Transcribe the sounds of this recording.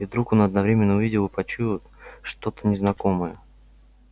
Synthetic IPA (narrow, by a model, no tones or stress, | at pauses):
ivd̪ɾuko̞nɐd̪nɐvɾʲemʲɪnːəʊvʲidʲɪlˠɨpɐt͡ɕut̪ʂt̪o̞t̪ə̥nʲɪznɐko̞mɨjə